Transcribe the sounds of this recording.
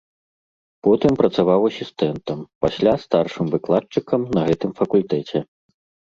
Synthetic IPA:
pɔt̪ɨmpɾɐt̪savawɐsʲist̪ɛnt̪ɐmpasʲlʲast̪arʂɨmvɨklˠat̪̚t͡ʂɨkɐmnɐɣɛt̪ɨmfɐkulʲt̪ɛt͡sʲɛ

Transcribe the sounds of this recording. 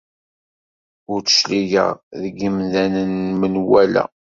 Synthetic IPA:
ʊɾt͡sə̥ʃliʝə̰ʁðəɡəmðænənmənwælæ̰

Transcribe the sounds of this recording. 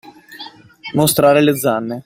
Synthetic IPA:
most̪ɾaːɾeled̪zanːe

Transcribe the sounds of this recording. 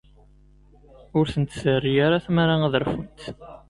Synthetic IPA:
ʊɾθənt̪sərːijaɾaθmaɾaæðəɾˤfunt̪

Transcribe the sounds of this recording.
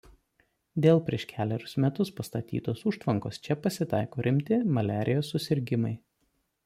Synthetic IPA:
d̪ʲeːlˠpʲɾʲiɛʃkʲʰæːlʲɛɾʲʊsmʲɛt̪ʊspɐst̪ɐt̪ʲḭːt̪oːsuːʃt̪ʋɐŋkoːst͡ʃʲɛpɐsʲɪt̪ɑɪkoːɾʲɪmʲt̪ʲɪmɐlʲæːɾʲɪjoːsːʊsʲɪɾʲɡʲɪmɐɪ

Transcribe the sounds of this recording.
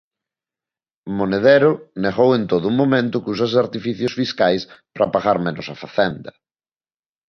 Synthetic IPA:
moneð̞eɾʊneɣowent̪oðʊumomẽnt̪ʊkus̬ɐs̬aɾt̪ifiθjʊsfiskajspɾʔɐpaɣaɾmenʊsɐfaθend̪ɐ

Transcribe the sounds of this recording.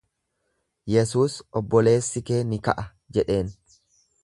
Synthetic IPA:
jɛsuːsɔbːɔle̞ːsːɪkeːnɪkɐʔɐ | d͡ʒɛᶑe̞ːn

